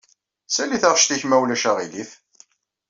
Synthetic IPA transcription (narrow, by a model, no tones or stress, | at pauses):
sæliθəʁʃt̪içmæwlæʃæʁiliθ